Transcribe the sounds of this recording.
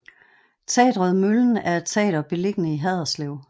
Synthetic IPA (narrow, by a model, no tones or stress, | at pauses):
t͡sʰɛ̰ːd̥ʁɔðˠmøln̩æɐ̥t͡sʰɛ̰ːɾ̥ɐb̥e̝le̝ɡ̥ənəiɦɛð̞ˠɐsleʊ̰